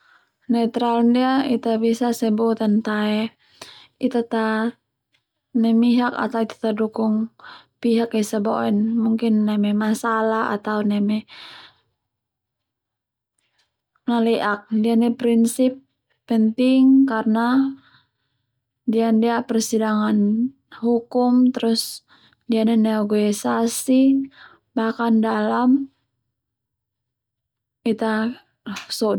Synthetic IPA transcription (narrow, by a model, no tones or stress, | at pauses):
nɛt̪ɾalndiait̪abisasɛbɔt̪ant̪aɛ | it̪at̪a | nɛmiɦaka̰t̪awit̪ḁt̪adukuŋ | piɦakisaboɛnmuŋkinːɛmɛmasalaa̰t̪aunɛmɛ | nalɛʔak̚dianɛpɾinsipː | ənt̪ɪŋkarna | diandiapərsidaŋan | hukʊmt̪əɾʊs | dianɛneoɡoisasi | bakandalam | it̪a | so